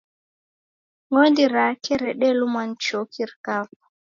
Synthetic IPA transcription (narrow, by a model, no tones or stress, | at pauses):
ŋondiɾaːkɛɾɛɗɛlumant͡ʃoːkʰiɾkaːfa